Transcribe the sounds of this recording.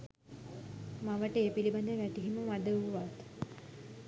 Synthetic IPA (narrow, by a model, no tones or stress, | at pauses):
maʋəʈəeːpiliband̪əʋæʈ̪iɦiməʋad̪əʋʋat̪